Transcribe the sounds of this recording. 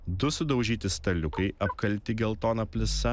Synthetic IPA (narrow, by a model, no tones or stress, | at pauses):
d̪ʊsʊd̪ɐʊʒʲiːt̪ʲɪst̪ɐlʲʊkɐɪɐpkɐlʲt̪ʲɪɡʲɛlˠt̪oːnɐpʲlʲɪsɐ